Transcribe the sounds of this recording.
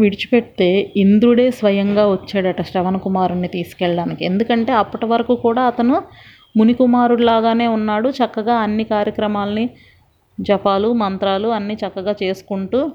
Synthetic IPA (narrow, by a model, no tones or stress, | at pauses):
ʋiɽit͡ʃu̥peɽit̪e̞ːind̪ɾuɽe̞ːsʋɐjɐŋɡaːʋot͡ʃːeːɽɐʈɐʂʈɐʋɐnɐkumaːɾunːit̪iːsu̥kɛɭɐɽaːnikiend̪ukɐɳʈe̞ːɐpːɐʈɐʋɐɾɐkuːkuːɽaːɐt̪ɐnu | munikumaːɾuɽulaːɡaːne̞ːunːaːɽut͡ʃɐkːɐɡaːɐnːikaːɾjɐkɾɐmaːlɐni | t͡ʃɛpaːlumɐnt̪ɾaːluɐnːit͡ʃɐkːɐɡaːt͡ʃe̞ːsu̥kuɳʈuː